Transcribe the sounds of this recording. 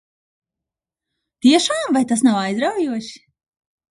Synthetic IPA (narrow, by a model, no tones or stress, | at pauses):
t̪iɛʃaːmvajt̪as̬nawajzd̪ɾawjuɔʃi̥